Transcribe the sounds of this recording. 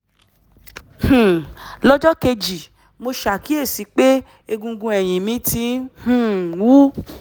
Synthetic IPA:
h̩˨lɔ˦d͡ʒɔ˦ke˧d͡ʒi˨ | mo˧ʃa˨ki˨˦e˦˨si˨˦k͡pe˦ | e˧ɡũ˧ɡũ˧ɛ˨j̃ĩ˨mĩ˨˦ti˨˦hũ˦wu˦

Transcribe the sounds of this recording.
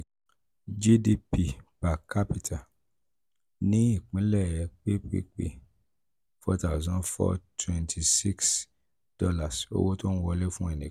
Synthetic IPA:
d͡ʒi˦di˧pi˧pa˨ka˦pi˦tʰa˨ | nĩ˦i˦˨k͡pĩ˨˦lɛ˦˨jɛ˧k͡pe˦k͡pḛ˦k͡pḛ˨ | fɔ˦ta˦˨zɔ̃˨˦fɔ̰˦tʰwɛ̃˦ntʰi˨si˦ks | d̥ɔ˦la˨so̰˦wo˦tɔ˦n̩˦wɔ˧lɛ˦fũ˦ɛ˦˨nĩ˨

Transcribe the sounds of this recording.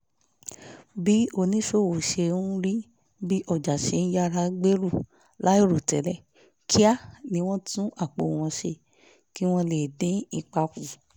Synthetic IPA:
bi˦o˧nĩ˦ʃo˦˨wo˨ʃe˧ũ˦ɾi˦ | bi˦ʔɔ˦˨d͡ʒa˨ʃe˧˦˧n̩˦ja˦ɾa˧ɡ͡be˦ɾu˦˨ | la˦i˦˨ɾu˨tɛ˨˦lɛ˦ | kʰi˦a˦˨nĩ˧˦w̃ɔ̃˦tũ˦ʔa˦˨k͡po˧˨w̃ɔ̃˧ʃe˧ | ki˦w̃ɔ̃˦le˦˨dẽ˨˦i˧k͡pa˧ku˨

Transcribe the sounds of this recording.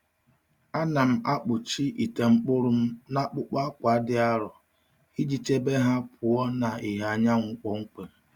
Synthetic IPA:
a˦na˨m̩˦a˦k͡pʊ˨t͡ʃi˦ʔi˨te˨ŋ͡m̩˦k͡pʊ˦ɾʊ˦m̩˦na˦k͡pʊ˦k͡pa˦kʷa˨˦dɪ˦a˦ɾɔ˨ | hi˦d͡ʒi˦t͡ʃe˦be˦ɦa˦pʰʊ˨ɔ˦na˨i˨ɦa˨ɲa˦ŋʷʊ˦k͡pɔ˦ŋ̩˦k͡pe˨

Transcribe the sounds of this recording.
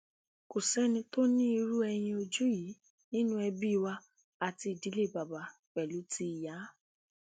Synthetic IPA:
ko˨sɛ˦nĩ˧to˦nĩ˦i˧ɾu˦ɛ˧j̃ĩ˧o˧d͡ʒu˦ji˨˦ | nĩ˦nũ˦ɛ˧bi˦˧˨wa˧ | a˨ti˧i˨di˨˦le˦˨ba˨ba˨k͡pɛ˨lu˨˦tʰi˧i˨ja˨˦

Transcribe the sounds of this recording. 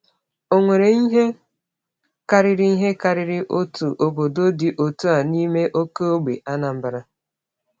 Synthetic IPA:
o˨ŋʷe˨ɾe˨i˦ɦe˦ | ka˦ɾɪ˦ɾi˦i˦ɦe˦ka˦ɾɪ˦ɾɪ˦ʔo˦tu˨ʔo˨bo˨do˦di˨ʔo˨tu˦a˨ni˦me˦ʔo˦ko˦o˦ɡ͡bḛ˨ʔa˦na˨m̩˦ba˨ɾa˦

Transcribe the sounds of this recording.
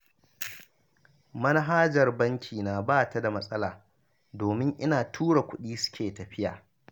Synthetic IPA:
mɐ˦na˦ɦaː˦d͡ʒɐ˨rbɐ˦ŋkʲʰiː˨naː˨baː˦˨ta˦da˨mɐ˦sʼɐ˦laː˨ | doː˨mɪ˦ŋʔɪ˦naː˨tʰuː˦ɽa˨kʷʊ˦ɗiː˦sʊ̥˦kʲeː˨tɐ˨ɸɪ˦jaː˨

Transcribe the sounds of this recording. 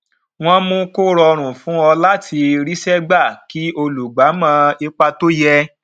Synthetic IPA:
w̃ɔ̃˦mõ˧ko˦ɾɔ˧ɾ̃ũ˨fũ˨˦ɔ˧la˦tʰi˧ɾi˦ʃɛ˦ɡ͡ba˦˨ki˨˦o˧lu˨ɡ͡ba˨˦mã˦i˧k͡pa˧to˦jɛ˧

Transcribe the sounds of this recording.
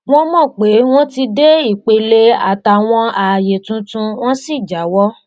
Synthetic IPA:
w̃ɔ̃˦mɔ̃˦˨k͡pe˨˦w̃ɔ̃˦ti˧de˦i˦˨k͡pe˧le˧a̰˨ta˨w̃ɔ̃˧a˨je˨tũ˨˦tũ˧w̃ɔ̃˦si˦˨d͡ʒa˨˦wɔ˦

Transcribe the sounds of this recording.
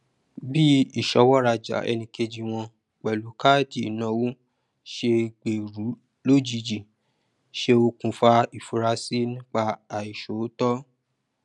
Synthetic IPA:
bi˦i˦˨ʃɔ˨˧˦wɔ˦ɾa˧d͡ʒa̰˨ɛ̰˧nĩ˧ke˧d͡ʒi˧w̃ɔ̃˧ | k͡pɛ˨lu˨˦ka˦˨di˦˨nã˧˦wu˦ | ʃe˧ɡ͡be˨ɾu˨˦ | lo˦d͡ʒi˧d͡ʒi˨ | ʃe˧o˧kũ˧fa˧i˨fu˧ɾa˧si˦nĩ˦k͡pa˧a˨i˨ʃo˨˦tɔ˦

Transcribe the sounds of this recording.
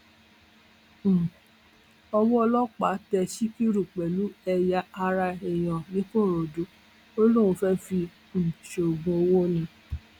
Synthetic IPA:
ɔ˧wɔ˦ɔ˧lɔ˦k͡pa˨˦tɛ˧ʃi˦ki˦ɾu˨k͡pɛ˨lu˨˦ɛ˧ja˧a˧ɾa˧e˨j̃ɔ̃˨nĩ˨˦kõ˦˨ɾo˨du˨˦ | o˦lu˦˨ũ˧fɛ˦fi˧ | ñ̩˨ʃo˨ɡũ˧o˧wo˦nĩ˧

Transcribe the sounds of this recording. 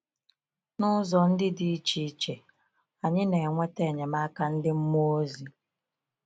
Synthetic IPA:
nʊ˦zɔ˨n̩˦dɪ˦di˦t͡ʃi˦i˦t͡ʃe˨ | a˨ɲɪ˦ne˨ŋʷe˦te˦˨ɲe˨ma˦ka˦n̩˦dɪ˦m̩˦mo˦o˦zi˨

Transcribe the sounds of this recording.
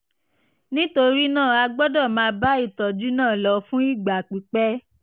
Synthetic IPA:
nĩ˦to˧ɾi˦nãː˦˨a˧ɡ͡bɔ˦dɔ˦˨mãː˧˦ba˦i˦˨tɔ˨d͡ʒu˦nãː˦˨lɔ˨˧fũ˦i˦˨ɡ͡ba˨k͡pi˨˦k͡pɛ˦

